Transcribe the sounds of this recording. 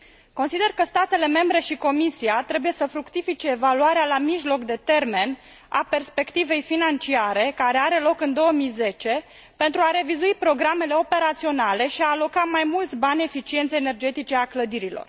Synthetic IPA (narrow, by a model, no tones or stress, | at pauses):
ko̞nsid̪e̞rkəst̪at̪e̞le̞me̞mbɾe̞ʃiko̞misiat̪ɾe̞buje̞səfɾukt̪ifit͡ʃe̞ːvaluaɾealamiʒlo̞kd̪e̞t̪e̞rme̞n | a̰pe̞rspe̞kt̪ive̞jfinant͡ʃiaɾe̞kaɾe̞aɾe̞lo̞kɨnd̪o̞wəmijze̞t͡ʃe̞ | pe̞nt̪ɾuaɾe̞vizuipɾo̞ɡɾame̞le̞o̞pe̞ɾat̪sio̞nale̞ʃiaːlo̞kamajmult̪sʲbanʲe̞fit͡ʃient̪seeːne̞rd͡ʒe̞t̪it͡ʃe̞akləd̪iɾilo̰r